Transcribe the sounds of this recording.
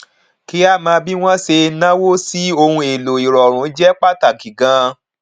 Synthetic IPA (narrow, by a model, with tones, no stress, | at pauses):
ki˨˦a˦˨mãː˧bi˦w̃ɔ̃˦se˧nã˦wo˦si˦o˧hũ˧e˨lo˨i˨ɾɔ˨ɾ̃ũ˨˦d͡ʒɛ˦k͡pa˦ta˦˨ɡi˨ɡã˧˦